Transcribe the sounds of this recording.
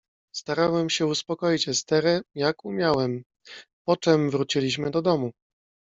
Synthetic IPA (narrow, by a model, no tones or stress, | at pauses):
st̪aɾawɛmɕɛuspɔkɔjit͡ɕɛst̪ɛɾɛjakumʲjawɛm | pɔt͡ʂɛmvɾut͡ɕilʲiɕmɘd̪ɔd̪ɔmu